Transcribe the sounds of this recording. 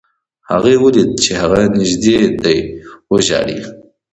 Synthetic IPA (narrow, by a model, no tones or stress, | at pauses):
haɣewulid̪̚t͡ʃʰehaɣanɪʒd̪ed̪ajwoʒɑ̰ːɽḭ